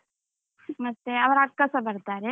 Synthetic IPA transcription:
mɐt̪ːeɐʋɾɐkːasɐbɐɾt̪aːɾe

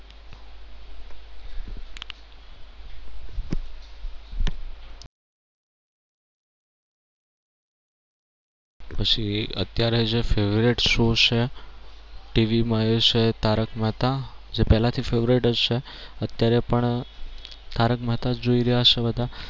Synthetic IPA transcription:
pət͡ʃʰiə̰t̪jaɾed͡ʒefeʋɾeʈʃũt͡ʃʰe | ʈiʋimaot͡ʃet̪aɾəkməɦt̪ad͡ʒepɛɦlat̪ʰifeʋɾeʈəd͡ʒʃʰe | ət̪jaɾepəɳ | t̪ʰaɾəkmət̪ad͡ʒoiɾəjaʃebəd̪ʱa

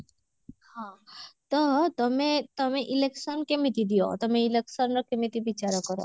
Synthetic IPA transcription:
hãt̪ɔt̪ɔmet̪ɔmeʔileksɔnkemit̪id̪ijo̰t̪ɔmeileksɔnɾɔkemit̪ibit͡ʃaɾɔkɔɾɔ̰

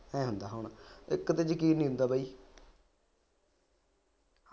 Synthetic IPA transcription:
ɛ̃ːɦʊnd̪aːɦəʊɳɪ̰kt̪et͡ʃkiːnĩːɦʊ̃nd̪aːbaːiː

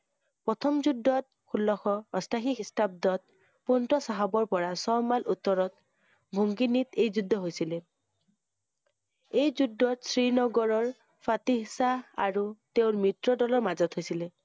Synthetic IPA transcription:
pɹɔtʰɔmzudːɔt̚xulːɔxɔɔstʰaxikistab̚dɔt̚ | pɔntɔsaɦabɔɹpɔɹasɔmalʔutːɔɹɔt̚ | bʱuŋɡinitejzudʱːɔɦojsilɛ | ejzudʱːɔtsɹinɔɡɔɹɔɹ | fʰatisaa̰ɹuteʊmitɹɔdɔlɔɹmazɔtʰɦojsilɛ

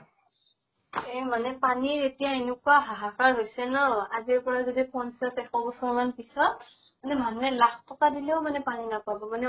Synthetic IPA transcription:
ɛmanɛpaniɹetijaenʊkuaɦaɦaxaɹɦojsɛnɔaziɹpɔɹazodipɔnsasɛxɔbɔsɔɹmanpisɔt | manɛmʱaŋɛlaxʰtɔkadilɛʊmanɛpaninapabɔmanɛ

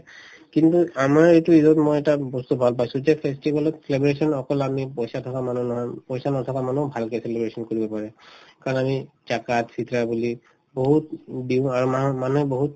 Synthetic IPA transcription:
kintuamaɹetuizɔtmɔjɛtabɔstubʱalpajsʊ̃zɛpʰestibalɔtselebɹesɔnɔkɔlamipɔjsatʰɔkamanunɔɦɔjpɔjsanɔtʰɔkamanubʱalkɛselebɹesɔnkoɹibɔpaɹɛkaɹɔnami | zakatsitɹabuli | boɦutdiʊaɹumamanuɦɛboɦut̚

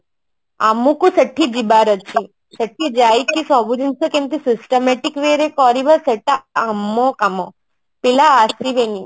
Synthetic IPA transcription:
a̰mũkusəʈʰːid͡ʒibaɾət͡ʃʰi | səʈʰːid͡ʒaːikːisɔbud͡ʒinsokẽmt̪isisʈəmeʈikʋeɾekɔːɾiʋəseʈaamːokamɔ | pilaːsiʋeni

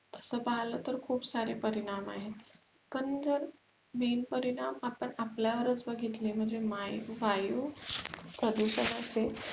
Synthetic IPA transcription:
t̪əsəpaɦlət̪əɾkʰuːbsaɾepəɾiɽ̃ama̰ɦe | kənd͡zəɾ | menpəɾiɽamapəɳapljaʋəɾət͡sbəɡʱit̪lem̤əɳd͡zemajʋaju | pɾəd̪uɕənase

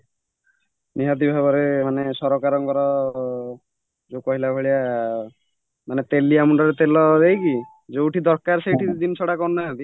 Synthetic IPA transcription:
niɦat̪̬ibʱabɔɾemanesɔɾɔkaɾɔŋkɔɾɔ | d͡ʒekɔɦilabʱɔɭia | manet̪eliamuɳɖɔɾet̪elɔd̪ejki | d͡ʒewʈid̪ɔɾkaɾsejʈʰid̪imt͡ʃʰɔɽakɔnnaɦat̪i

